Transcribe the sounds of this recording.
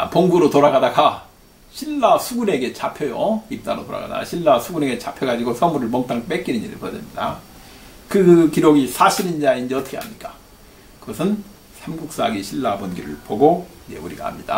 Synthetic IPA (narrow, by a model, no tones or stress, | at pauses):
a̰poŋbuɾotoɾaɡadaka | ɕʰiɭːasʰuɡune̞ɡe̞t͡ɕʰapʰjʌjo̰ip̚t͈aɾotoɾa̰ɡa̰da̰ɕʰiɭːasʰuɡune̞ɡe̞t͡ɕʰapʰjʌɡad͡ʑiɡosʰʌmuɾɯɭmʌŋt͈ʰaŋp͈ek͈inɯɲiɾɯ̰ɭpʌd͡ʑemɲida̰ | kɯkiɾoɡisʰaɕʰiɾind͡ʑeaind͡ʑeʌtʰʌkʰeamɲik͈a | kɯɡʌsʰɯn | sʰemɡuk̚s͈aɡiɕʰiɭːabonɡiɾɯ̰ɭpoɡoid͡ʑe̞̰uɾḭɡa̰ha̰mɲida̰